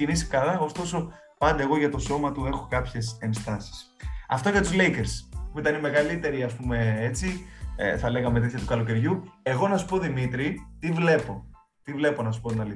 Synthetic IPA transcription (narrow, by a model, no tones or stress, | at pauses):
inisi̥kɐlɐo̞st̪o̞so̞ | pɐnd̪e̞ːɣo̞ʝɐt̪o̞so̞mɐt̪ue̞xo̞kɐpçe̞se̞nst̪ɐsi̥s | ɐ̰ft̪o̞ʝɐt̪uzle̞jkeɾspuit̪ɐnime̞ɣɐlit̪e̞ɾiɐspume̞et͡sḭθɐle̞ɣɐme̞t̪et̪çɐt̪ukɐlo̞ce̞ɾʝue̞ɣo̞nɐsu̥po̞ðimit̪ɾit̪ivle̞po̞ | t̪ivle̞po̞nɐsu̥po̞t̪nɐli